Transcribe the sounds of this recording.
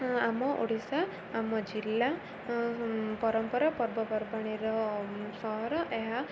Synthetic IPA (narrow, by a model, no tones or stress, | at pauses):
amɔʔo̰ɽ̤isaː | mɔd͡ʒilːa | pɔɾɔmpɔɾapɔɾbɔpɔɾbaɽ̃iɾɔsɔɦɔɾɔʔeɦa